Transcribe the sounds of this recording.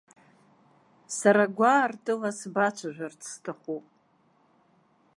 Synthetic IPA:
saɾaɡʷartʼɨlasbat͡ʃʷʰaʒᶣʷart͡sʰstʰaχʷupʼ

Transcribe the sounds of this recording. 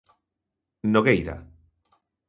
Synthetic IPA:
noɣejɾa̰

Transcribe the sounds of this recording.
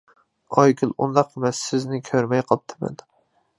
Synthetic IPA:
ɒjkʲʰɪlˠʊ̰nd̪aqʰɨmasɪznɪkʲʰɵɾmajqʰɒp̚t̪ʰɪma̰d̪ɪ

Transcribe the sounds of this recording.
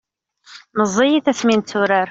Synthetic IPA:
nəzˤːijiθæsmint̪suɾæɾ

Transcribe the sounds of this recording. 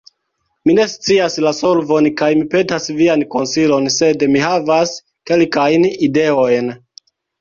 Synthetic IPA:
mine̞st͡siaslasolvo̞nkajmipe̞tasvianko̞nsilo̞nse̞dmiɦavas | ke̞lkajnide̞o̞jn

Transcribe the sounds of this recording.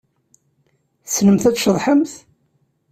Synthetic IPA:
snəmθæt͡sʃəðˤħəmθ

